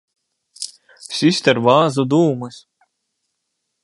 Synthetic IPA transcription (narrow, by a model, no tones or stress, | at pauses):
sʲisʲt̪ʲɛɾvaːzud̪uːmɨsʲ